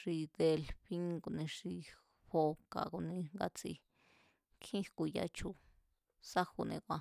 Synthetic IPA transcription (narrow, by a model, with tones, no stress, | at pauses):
ʂi˧d̪e˧lɸi˦ŋɡo˧nẽ˧ʂi˧ | ɸo˧ka̰˨ku˧nĩ˧ŋɡa˧t͡sḭ˧ | kʰĩ˦hku˧ja̰˧t͡ʃʰu˧ | sa˦xu˧nḛ̃˧kʷã˧